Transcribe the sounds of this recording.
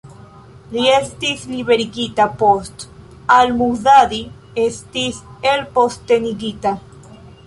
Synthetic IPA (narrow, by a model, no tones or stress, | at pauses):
liest̪iθliβeɾiɡit̪apost̪ | almuðaði | est̪iθelpost̪eniɡit̪a